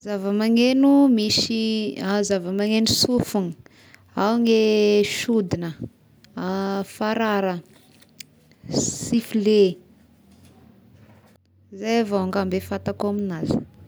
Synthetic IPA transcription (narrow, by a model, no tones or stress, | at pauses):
zavəmaŋenumisiazavəmaŋenusufuni | awŋeʃud̪inə | afaɾaɾə | sifile | zajavaaŋɡambefat̪akoaminaz̥